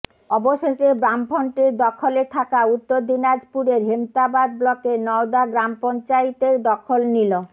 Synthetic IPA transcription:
ɔboʃeʃebɾampɔɳʈeɾd̪ɔkʰolet̪ʰakaut̪ːoɾd̪inad͡ʑpuɾeɾɦemt̪abad̪̚blɔkenɔwd̪aɡɾampɔnt͡ɕajt̪eɾd̪ɔkʰolnilo

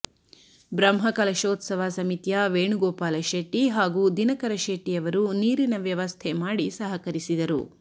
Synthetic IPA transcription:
bɾɐmɦɐkɐlɐʃoːt̪sɐʋaːsɐmit̪jaʋeːɳuɡɔːpaːlɐʃeːʈiɦaːɡuːd̪inɐkɐɾɐʃeːʈijɐʋɐɾuniːɾinɐʋjɐʋɐst̪ʰɛmaːɽisɐɦɐkɐɾisid̪ɐɾṵ

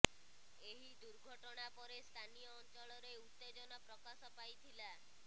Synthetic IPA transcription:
eɦid̪uɾɡʱɔʈɔɽ̃apɔɾest̪ʰanijɔːnt͡ʃɔɭɔɾeut̪ːed͡ʒɔnɔpɾɔkasɔpajt̪ʰila

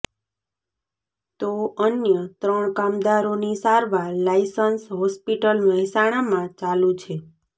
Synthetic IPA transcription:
t̪oənjət̪ɾəɳkamd̪aɾonisaɾʋaɾlajsənsɦɔspiʈəlməɦɛsaɽ̃amãt͡ʃalũt͡ʃʰe

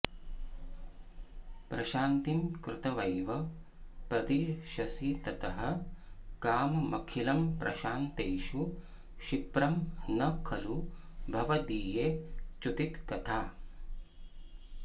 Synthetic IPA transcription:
pɾɐʃaːnt̪imkɾɪt̪ɐʋɐjʋɐ | pɾɐt̪iʃɐsit̪ɐt̪ɐɦɐ̆kaːmɐmɐkʰilɐmpɾʔɐ̰ʃaːnt̪eːʃu | ʃipɾɐmnɐkʰɐlu | bʱɐʋɐd̪iːjeːt͡ʃut̪it̪kɐt̪ʰaː

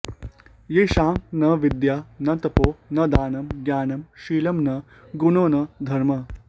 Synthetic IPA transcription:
jeːʃaːmnɐʋid̪jaːnɐt̪ɐpoːnɐd̪aːnɐmɡʲjaːnɐmʃiːlɐmnɐ | ɡunoːnɐd̪ʱɐɾmɐ

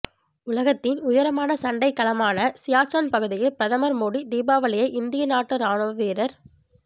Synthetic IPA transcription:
ʊlɐɣɐt̪ːɪnʊjɐɾɐmaːnɐsɐɳɖɐɪkːɐlɐmaːnɐsɪjaːksaːnpɐɣɯðɪjɐlpɪɾɐðɐmɐɾmoːɽid̪iːbaːʋɐɭɪjɐʔɪnd̪ɪjɐnaːʈːɯɾaːnoːʋʋeːɾɐɾ

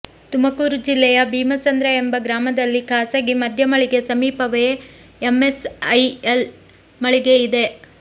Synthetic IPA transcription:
t̪umɐkuːɾud͡ʒilːɛjɐbʱiːmɐsɐnd̪ɾɐe̞mbɐɡɾaːmɐd̪ɐlːikaːsɐɡimɐd̪ʱjɐmɐɭiɡe̞sɐmiːpɐʋe | emesɐjel | mɐɭiɡe̞id̪e̞

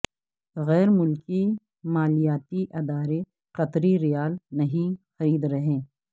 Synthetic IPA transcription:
ɣɛːɾmʊlki | maːlijaːt̪iʔɐd̪aːɾe | qɐt̪ɾiɾɪjaːlnɐɦĩxɐɾiːd̪ɾɐɦẽː

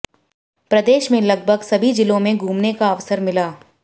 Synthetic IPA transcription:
pɾɐd̪eːʃmẽlɐɡ̚bʱəɡsɐbʱid͡ʒɪlõmẽɡʱuːmnekaɐʋsəɾmɪlaː

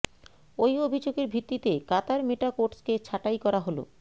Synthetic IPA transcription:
ojobʱid͡ʑoɡeɾbʱit̪ːit̪ekat̪aɾmeʈakoʈsket͡ɕʰaʈajkɔɾaɦolo̰

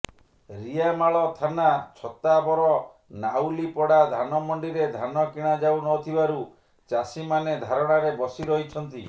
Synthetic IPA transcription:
ɾiamaɭɔt̪ʰanat͡ʃʰɔt̪abɔɾɔ | nawlipɔɽad̪ʱanɔmɔɳɖiɾed̪ʱanɔkiɽ̃ad͡ʒawnɔt̪ʰibaɾu | t͡ʃasimaned̪ʱaɾɔɽ̃aɾebɔsiɾɔɦit͡ʃʰɔnt̪i

